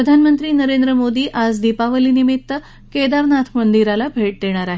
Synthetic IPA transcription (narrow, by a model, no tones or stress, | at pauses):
ɾəd̪ʱanmənt̪ɾiːnəɾend̪ɾəmod̪iːʔad͡zd̪ipaʋəliːnimit̪ːə | ked̪aɾnat̪ʰmənd̪iɾalabʱeʈ̚d̪eɽ̃aɾaɦe